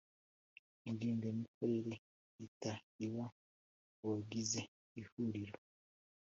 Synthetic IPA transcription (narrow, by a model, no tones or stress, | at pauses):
indiːmbemikweɾe | itaiwa | woɡize | ihuɾiɾo